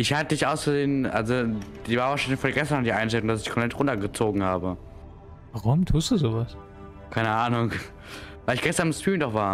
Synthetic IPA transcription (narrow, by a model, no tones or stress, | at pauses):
ʔɪçhatədɪçʔaʊsɡəzeːnʔa̰lzod̥iːvaːvaːʃaɪnɪçfoːdɡɛstɐnɔχdiːʔaɪnʃtɛlʊŋdas̬ɪçkʰɔmplɛtʁʊntɐɡət͡soːɡŋ̩haːbə | vaʁʊmtʰuːstd̥uːzoːvas | kʰaɪnəʔaːnʊŋ | vaɪlɪçɡ̥ɛstɐnɪmstʁ̥iːmndɔχv̥aːɐ